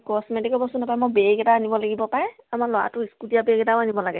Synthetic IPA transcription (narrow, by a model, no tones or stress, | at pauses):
kɔsmɛtikɔbɔsunapajmɔbeɡɛtaːnibɔlaɡibɔpaɹɛ | amalɔwa̰tʊiskutijabeɡɛtaanibɔlaɡɛ